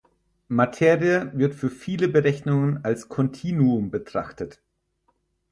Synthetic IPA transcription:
matʰeːʁiəvɪɐtfyːɐfiːləbəʁɛçnʊŋənalskʰɔntʰiːnuʊmbətʁ̥aχtət

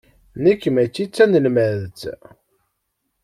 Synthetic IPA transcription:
nikːmæt͡sːit͡sːænəlmæðt͡s

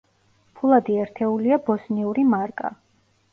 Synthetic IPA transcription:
pʰulˠad̪iɛɾt̪ʰɛuliabɔsniuɾimaɾkʼa̰

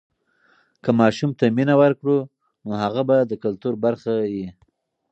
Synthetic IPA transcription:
kəmɑʃumt̪aminawəɾkɽu | nohaɣabad̪əkalt̪uɾbaɾxaji

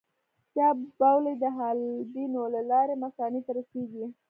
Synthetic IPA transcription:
t͡ʃɑbbawled̪əɦalbinolalɑɾemakɑnit̪aɾaseɡi

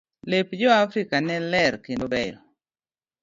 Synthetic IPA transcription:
lepd͡ʒɔafɾikanɛlɛɾkendobɛjɔ̰

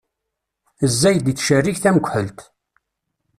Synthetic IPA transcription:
əzːæjd̪it͡sːʃərːiçθæməɡʷħəlt̪

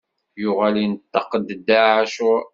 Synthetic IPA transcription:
jʊʁælinət̪ːɑqəd̪d̪ːaʕaʃʊ

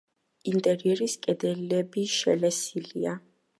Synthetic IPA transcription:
int̪ʼɛɾiɛɾiskʼɛd̪ɛlɛbiʃɛ̰lɛsilia

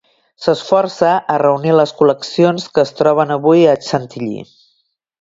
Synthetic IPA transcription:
səsfɔrsəʔərəuniləskuləksionskəːst̪ɾɔβ̞ənəβujət͡ʃənt̪iʎḭ

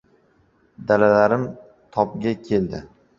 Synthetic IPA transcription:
d̪alalaɾɪm | t̪ʰɒp̚ɡʲakʲʰe̞ld̪ɪ

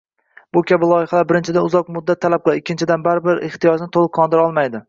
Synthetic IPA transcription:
b̥ʊkʲʰabɪlˠɒjɪhalaɾbɪɾɪnt͡ʃʰɪd̪anʊzɒq̚mʊd̪ːat̪ʰːalap̚qʰɨlˠɪkʲʰːɪnt͡ʃʰɪd̪anbaɾɪbɪɾeht̪ijɒd͡ʒnɪt̪ʰolˠɨqʰːɒnd̪ɪɾɒlˠmajd̪ɪ

